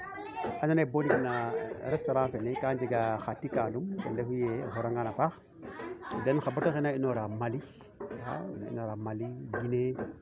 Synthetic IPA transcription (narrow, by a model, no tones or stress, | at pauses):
ananebonikinaɾestoɾanfenekand͡ʒeɡaxatːikalumkendehujeɦoɾaŋɡanapax | denxabutaxinainoɾamali | a̰na̰ḭnoɾamaliɡine